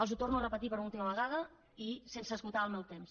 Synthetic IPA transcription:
əlˠzut̪ornuərəpət̪ipəɾulˠt̪iməβ̞əɣað̞ə | isensəːskulˠt̪aəlˠmɛwt̪ems

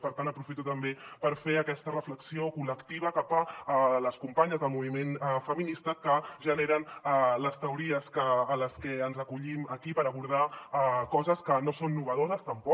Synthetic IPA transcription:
pəɾt̪anəpɾufit̪ut̪əmbepəɾfeəkɛst̪ərəfləksiokuləkt̪iβ̞əkapələskumpaɲəzðəlˠmuβ̞imenɛfəminist̪əkəʒəneɾənləst̪əuɾiəskəːləskɛənzəkuʎiməkipəɾəβuɾð̞akɔzəskənosonːuβəð̞ozəst̪əmpɔ

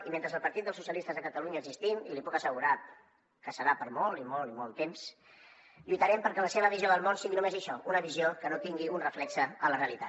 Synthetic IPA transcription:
iment̪ɾəzəlˠpəɾt̪it̪̚əlˠs̬usjəlist̪əzðəkət̪əluɲəːɡzist̪imḭlipukəsəɣuɾat̪̚ | kəsəɾapəɾmɔlˠimɔlimɔlˠt̪ems | ʎujt̪əɾɛmpəɾkɛləseβ̞əβizijoðəlˠmonsiɣinumezəʃɔʔunəβiziokənot̪iŋɡiunrəflɛksəələreəlit̪a

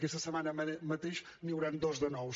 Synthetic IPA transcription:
kɛsɐsəmanɐmɐt̪eʃ | niwɾɛnd̪ɔzðənɔw

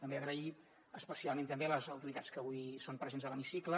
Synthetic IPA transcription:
t̪əmbeəɣɾəi | əspəsialˠmẽnt̪əmbeləzəwt̪uɾit̪at͡sskəβujsompɾəzenzðələmisiklə

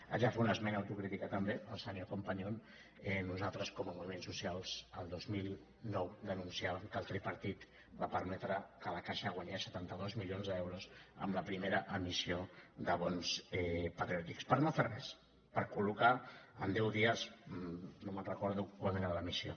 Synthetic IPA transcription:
ə̰ʒafeunəzmɛnəːwt̪ukɾit̪ikət̪əmbeəlˠsənokompaɲon | ɛnuzalˠt̪ɾəskɔməmuβimensusialˠzəlˠd̪ozmilˠ | nɔwd̪ənunsiaβəmkəlˠt̪ɾepəɾt̪it̪ | bapəɾmɛt̪ɾəkələkaʃəɣ̞waɲesət̪ant̪əðozmilionzðɛwɾusə̰mləpɾimeɾəʔəmisiod̪əβɔnzɛpət̪ɾiɔt̪ikspəɾnoferɛs | pəɾkulukaə̰nd̪ɛwðiəs | nomənrəkɔɾðukwalenaðələmisio̰

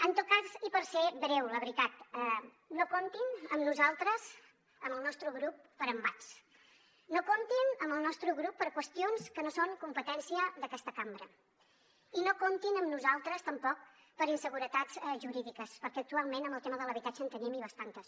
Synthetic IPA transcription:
ənt̪ot̪̚kazipəɾsebɾɛwləβɾit̪at̪ɛ | nokont̪inəmnuzalˠt̪ɾəz | əməlˠnɔst̪ɾəɣɾupːəɾəmbat͡s | nokont̪inəmbəlˠnɔst̪ɾəɣɾupːəɾkwəst̪ionskənosoŋkumpət̪ɛnsiəðəkɛst̪əkambɾə | inokont̪inəmnuzalˠt̪ɾəst̪əmpɔk̚ | pəɾinsəɣuɾət̪ad͡zɛʒuɾiðikəspəɾkɛək̚t̪ualˠmenəmbəlˠt̪eməðələβit̪at͡ʃəːnt̪əniəmiβəst̪ant̪əs

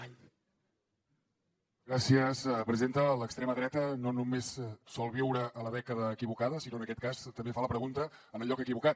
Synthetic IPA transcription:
ɡɾasiəspɾəzient̪ələkst̪ɾɛməðɾɛt̪ənonumessɔlˠβiwɾəʔːləɛkəðəːkiβukaðəsinoənəkɛt̪̚kast̪əmbefaləpɾəɣunt̪əənəlʎɔkəkiβukat̪̚

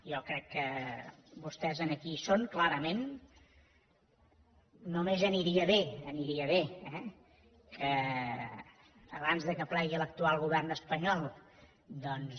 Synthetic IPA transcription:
jɔkɾɛkːə | bust̪ɛzənəkisoŋklaɾəmen | umezəniɾiəβeəniɾiəβ̞eɛ | kʰə | βanzðəkəplɛɣiələk̚t̪ualˠɣuβɛrnəspəɲɔlˠ | d̪ɔns

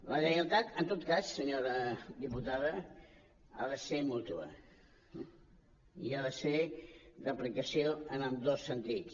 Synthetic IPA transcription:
ləʒənəlˠt̪at̪ənt̪ot̪kassəɲoɾəd̪iput̪aðə | a̰ðəsemut̪uə̰ | iaðəsedəplikəsioənəmd̪osːənt̪it͡s

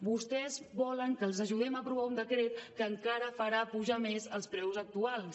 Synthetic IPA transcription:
bust̪ɛzβɔləŋkəːlˠzəʒuð̞ɛməpɾuβ̞aund̪əkɾet̪kəːŋkaɾəfəɾapuʒamezəlˠspɾɛwzək̚t̪ualˠs

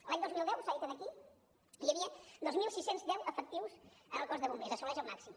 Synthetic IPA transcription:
laɲd̪ozmilˠd̪ɛwsajit̪ənəki | ijəβiəd̪ozmilˠsisenzd̪ɛwʔəfək̚t̪iwz̥ənəlˠkɔzðəβumbezəsɔlɛʒəlˠmaksim

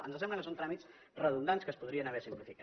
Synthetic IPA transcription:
ə̰nzəsɛmbləkəsont̪ɾamis | rəðund̪anskəːspuðɾiənəβɛsimplifika

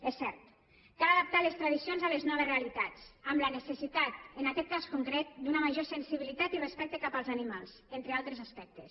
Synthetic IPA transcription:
ɛsːɛɾt̪ | kalaðap̚t̪alest̪ɾaðisionzaleznɔβ̞ezrealit̪at͡samlənesesit̪at̪enakɛt̪̚kaskuŋkɾet̪̚d̪unəmaʒosensiβilit̪at̪irespɛk̚t̪ekapalˠzanimalˠz̥ent̪ɾealˠt̪ɾezaspɛk̚t̪es

